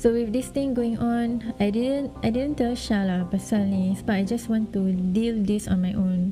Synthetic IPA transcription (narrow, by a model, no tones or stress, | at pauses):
sowifdist̪ĩŋɡoɪ̃ŋʔɔ̃najdidə̃najdidə̃ntɛlʃalapasalnisobaajd͡ʒaswɔ̃ntudildisɔ̰̃nmajʔõn